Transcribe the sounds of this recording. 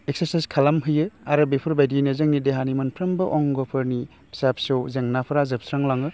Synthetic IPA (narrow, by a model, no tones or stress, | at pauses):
ek̚seɾsajskʰalamɦɯjɯaɾɯbepʰɯɾbajdinɯzɯŋnideɦanimanpʰɾɯmbɯʔɔŋɡɔpʰɯɾni | sapsɯwzeŋnapʰɯɾazɯp̚sɾaŋlaŋɯ